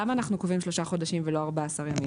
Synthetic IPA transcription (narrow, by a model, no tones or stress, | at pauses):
amaːnaχnukovimʃlo̞ʃaχo̞daʃimvelo̞aʁbaːsaʁjami